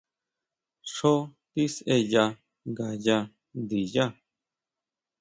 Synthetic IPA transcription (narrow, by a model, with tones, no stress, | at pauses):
ʂo˦t̪i˦se˧ja˧ | ɡa˨ja˧ | d̪i˨ja˦˨